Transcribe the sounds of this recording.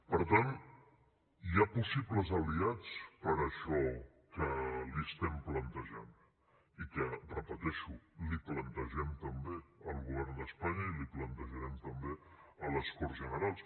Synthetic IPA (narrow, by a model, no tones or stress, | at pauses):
pəɾt̪an | japusipləzəliat͡spəɾəʃɔ | kəliəst̪ɛmplənt̪əʒa̰n | ikərəpət̪ɛʃuliplənt̪əʒɛmt̪əmbeəlˠɣuβ̞ɛɾnd̪əspaɲəiliplənt̪əʒəɾɛmt̪əmbeələskɔɾzʒənəɾalˠs